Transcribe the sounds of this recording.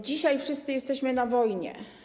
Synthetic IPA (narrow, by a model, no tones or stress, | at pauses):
d͡ʑiɕajfʂɘst̪sɘjɛst̪ɛɕmɘnavɔjɲɛ̰